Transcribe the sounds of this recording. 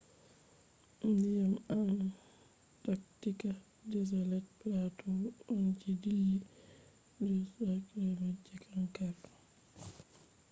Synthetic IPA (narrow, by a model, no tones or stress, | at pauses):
ijamana | tak̚tika | dɛz̬alɛt̚platɔɔnd͡ʒidilːi | dɔsakɛmad͡ʒːɛkʰankalɔ